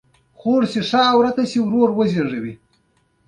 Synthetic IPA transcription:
xoʐsiʂaːwɾat̪asiwɾoɾwəzeʐawi

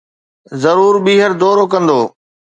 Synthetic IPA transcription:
zɐɾuːɾɓiːɦəɾd̪ɔːɾoːkɐ̃nd̪oː

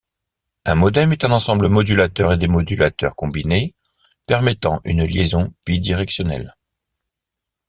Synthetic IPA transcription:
ɛ̃mɔd̪ɛmet̪ɛ̃nɑ̃sɑ̃bləmɔd̪ylat̪œʁed̪emɔd̪ylat̪œ̰ʁkɔ̃bine | pɛʁmɛt̪ɑ̃ʔy̰nljezɔ̃b̥id̪iʁɛksjɔnɛ̰l

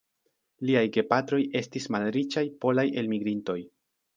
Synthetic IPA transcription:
liajɡe̞patɾo̞je̞stismalɾit͡ʃajpo̞lajʔe̞lmiɡɾinto̞j

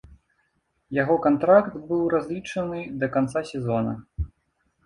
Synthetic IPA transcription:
jaɣɔkant̪ɾakt̪bɨwrazʲlʲit͡ʂɐnɨd̪ɐkant̪sasʲɛzɔnɐ̰

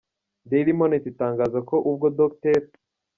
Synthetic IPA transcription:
d̪eɾimonet̪it̪aːŋɡazakʰoʔubɡod̪okt̪eɾ

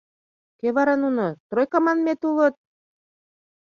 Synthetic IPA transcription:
keβɑɾɑnunot̪rojkɑmɑnmet̪ulə̆t̪̚

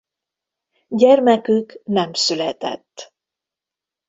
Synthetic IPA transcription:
ɟɛrmɛkyknɛmsylɛt̪ɛ̰t̪ː

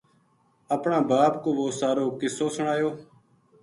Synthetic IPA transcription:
əpɳãːbaːpkoːʋoːsaːɾoːkɪsoːsəɳaːjoː

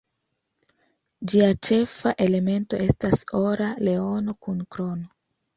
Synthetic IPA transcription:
d͡ʒiat͡ʃe̞faʔe̞le̞me̞nto̞e̞staso̞ɾale̞o̞no̞kunkɾo̞no̞

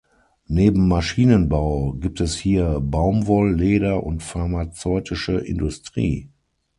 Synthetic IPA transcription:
neːbm̩ːaʃiːnənbaʊɡiːp̚tʰɛshiːɐbaʊmvɔlːeːɾɐʔʊ̰ntfaɐmat͡sɔʏtʰɪʃəʔɪ̰ndʊstʁ̥ḭː

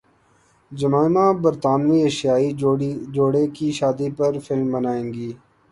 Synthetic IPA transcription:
d͡ʒəmaːɪmãːbəɾt̪aːnʋiːeːʃjaːid͡ʒoːɽekiʃaːd̪ipəɾfʰɪlmbənaːẽːŋɡiː

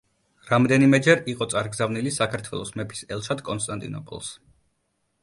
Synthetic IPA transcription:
ɾamd̪ɛnimɛd͡ʒɛɾiqʼɔt̪sʼaɾɡzavnilisakʰaɾt̪ʰwɛlˠɔsmɛpʰi̥sɛlˠʃʰad̪kʼɔns̬t̪ʼant̪ʼḭnɔ̰pʰɔ̰lˠs

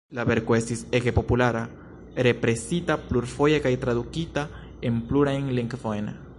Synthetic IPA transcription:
laβeɾkwesisekepopulaɾa | ɾepɾesit̪apluɾfojakajt̪ɾaðukit̪a | empluɾaeŋleŋkfoena̰

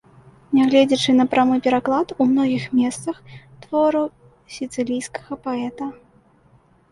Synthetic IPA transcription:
nʲaɣlʲɛd͡zʲɛt͡ʂɨnɐpɾamɨpʲɛɾaklˠat̪umnɔɣʲixmʲɛst̪sɐx | t̪vɔɾɐ | sʲit̪sɨlʲijskɐ̥ɣɐpaɛt̪ɐ

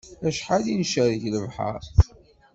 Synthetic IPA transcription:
æʃħalinʃæɾiʝləvħa̰ɾ

